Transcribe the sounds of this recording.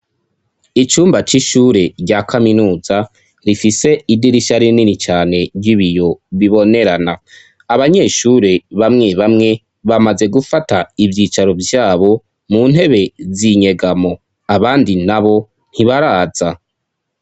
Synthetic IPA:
it͡ʃuːmbat͡ʃiʃuːɾe̞ɟakʰaminuːza | ɾifise̞idiɾiʃaɾininit͡ʃaːne̞ɾɟiβijo̞βiβo̞ne̞ɾana | aβaɲe̞ʃuɾe̞βamŋeβamŋe̞ | βamaze̞ɡufataivjiːt͡ʃaɾo̞vjaːβo̞ | munhe̞βe̞ziɲe̞ɡamo̞ | aβaːndinaβo̞ | n̥hiβaɾaːz̥a

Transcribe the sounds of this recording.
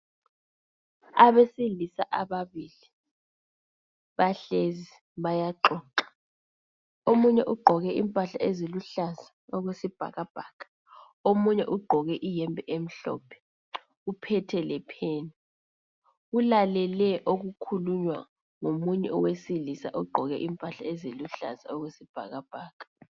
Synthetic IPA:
aɓesilisaʔaɓaβiːli | ɓaɬezi | ɓajaǃɔːǃḁ | omuɲɛ̰ʔuɡ͡ǃʱɔɣɛʔḭmpʼaɬaʔeziluɬazḁɔɣ̬wesib̥ʱa̰ɣab̥ʱakʰʼḁ | omuɲɛ̰ʔuɡ͡ǃʱɔɣɛʔijɛmbʱɛʔem̩ɬɔ̰ːpʰɛ̥ | upʰɛtʰɛlɛpʰeːni | ulalɛlɛʔok̬ukʰuluɲwa̰ | ŋomuɲɛ̰ɔwesilisa̰ʔuɡ͡ǃʱɔɣɛ̰ʔimpʼaɬaeziluɬa̰za̰ɔɣ̬wesib̥ʱa̰k̬ab̥ʱaːkʰʼḁ

